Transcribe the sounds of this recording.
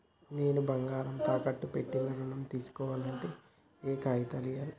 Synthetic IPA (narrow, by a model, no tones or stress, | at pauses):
neːnubɐŋɡaːɾɐmt̪aːkɐʈːupe̞ʈːindɐɾuɳɐmt̪iːsu̥kɔːʋaːlɐɳʈeː | eːkaːjit̪ɐlijaːlu